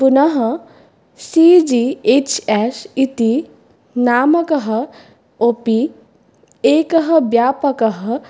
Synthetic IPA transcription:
punɐɦɐ | sid͡ʒiet͡ʃɛsit̪i | naːmɐkɐɦɐ̆ | opi | eːkɐɦɐbjaːpɐkɐɦɐ

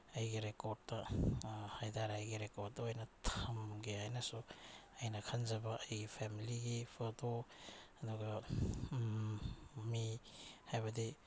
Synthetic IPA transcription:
ɐjɡiɾekoɾd̚tɐ | hajdaɾajɡiɾekodɐojnɐtʰɐmɡiajnɐsuɐjnɐkʰɐnd͡ʒɐbɐʔɐjɡipʰemiliɡipʰɐtoɐduɡɐ | mihajbɐdi

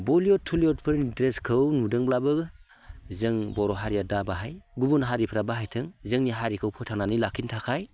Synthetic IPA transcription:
boliɔtʰːuliɔt̚pʰɯɾnidɾeskʰɯwnudɯŋblabɯɡɯ | zɯŋbɔɾɔɦaɾijadabaɦajɡubunɦaɾipʰɾabaɦajtʰɯŋzɯŋniɦaɾikʰɯwpʰɯtʰaŋnanilakʰintʰakʰaj

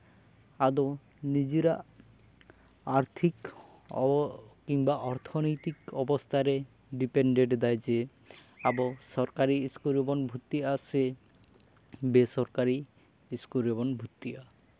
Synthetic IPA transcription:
ad̪o | nid͡ʑiɾa | aɾt̪ʰik | kiŋbaʔɔɾt̪ʰonojt̪ikɔbost̪ʰaɾe | ɖipeɳɖeʈd̪ɛjd͡ʑe | aboʃɔɾkaɾiskuɾebonbʱut̪ːiase | besɔɾkaɾi | skuɾebonbʱut̪ːia

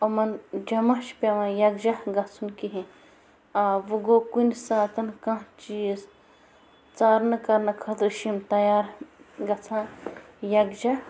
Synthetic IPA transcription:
ɐmɐnd͡ʒɐmɐʃpʲɐʋãːjɐɡd͡ʒɐhɡɐt͡sʰunkiɦĩ | aːʋɨɡokunʲsaːt̪ɐnkãɦt͡ʃijs | t͡saːɾnɨkɐɾnɐkʰɐt̪ɾɨʃimt̪ɐjaːɾɡɐt͡sʰãjɐɡd͡ʒɐ

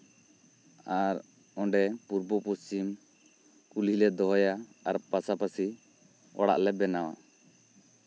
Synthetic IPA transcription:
aɾ | ɔɳɖɛpuɾbɔpɔst͡ʃim | kulilɛd̪ɔɦɔjaaɾpasapasi | ɔ̰ɽa̰ʔlɛbɛnawa̰

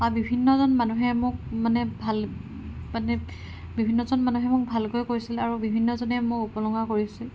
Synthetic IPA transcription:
abibʱinːɔzɔnmanuɦɛmʊk̚manɛbʱal | manɛ | bibʱinːɔzɔnmanuɦɛmʊk̚bʱalkojkoɹisilaɹubibʱinːɔzɔnɛmʊupɔlɔŋɡakoɹisil

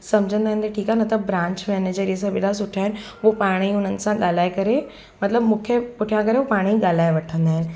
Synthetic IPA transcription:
sɐmd͡ʑʱə̃nd̪aːɦɪ̃nɪt̪ɐʈʰiːkaɦnɐt̪ɐbɾãːɲt͡ɕmɛned͡ʑəɾiəs̬ãɓḛːɽas̬ʊʈʰaːɦɪnɪ̆ | ʋopaːɽ̃iʊn̤ənɪ̆sãɠaːl̤aːekɐɾe | mɐt̪ləbmũːkʰepʊʈʰjãkɐɾeʋopaːɽ̃iɠaːl̤aːeʋɐʈʰə̃nd̪aːɦɪnɪ̆

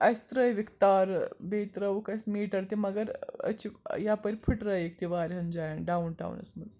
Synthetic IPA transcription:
ɐjst̪ɾəjʋikt̪aɾbet̪ɾəʋukɐsmiːʈəɾt̪imɐɡəɾə̰t͡ɕijapəɾipʰiʈɾəjekt̪iʋaɾɦənd͡ʑajanɖaunʈa̰ṵnɐ̰smɐd͡z

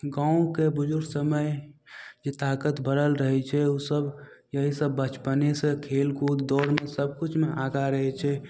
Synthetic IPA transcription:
ɡãũkebʊd͡ʒʊɾɡsəməj | d͡ʒet̪akət̪bəɾəlɾəɦɛt͡ʃʰɛusəbjəɦisəbːət͡ʃpənesə̃kʰelkud̪d̪ɔɾmesəb̚kut͡ʃʰmeʔaɡaɾəɦɛt͡ʃʰɛ

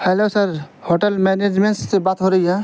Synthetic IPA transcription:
hɛlosəɾhoːʈəlmɛned͡ʒmẽɳʈsːebaːt̪ɦoɾɐɦiɦɛ

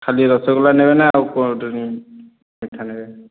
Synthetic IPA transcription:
kʰaliɾɔsɔɡɔlanɛbɛnaaukɔ | mitʰːanɛbɛ

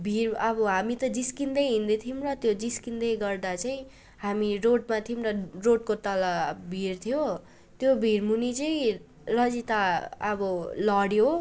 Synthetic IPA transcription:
bʱirʌbʌɦamit̪ʌd͡ziskind̪ʌjɦind̪et̪ʰimrʌt̪jod͡ziskind̪ʌjɡʌrd̪at͡saĩ | hamiroʈmat̪ʰimrʌroʈ̚kot̪ʌlabʱirt̪ʰjo | t̪jobʱirmunit͡sʌĩ | rʌd͡zit̪aʌbʌlʌɽjo

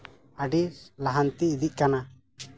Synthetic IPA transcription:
aɖilaɦant̪iːd̪iʔ̚kana

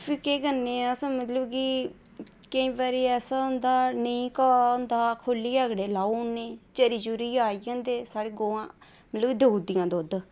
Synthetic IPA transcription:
pʰiːkeːɡənːẽːasãːmət̪ləbkiː | kəĩːbaːɾiːɛːsaːʊnd̪aːnəĩːkaʊnd̪aːkʰʊlːiːəɡɽeːlaːuneːt͡ʃəɾid͡ʒuɾiːaːiːãːnd̪eːsaːɽeːɡoːãː | mət̪ləbid̪əɦuːd̪ijãːd̪oːd̪

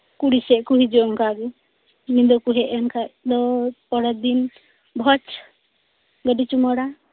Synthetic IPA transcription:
kuɽisɛʔkuɦid͡ʒɔŋkaɡu | nind̪ɔkuɦɛʔankad̪ɔpɔɽad̪in | bʱɔt͡ʃ | ɡəɖit͡ʃumɔɽa

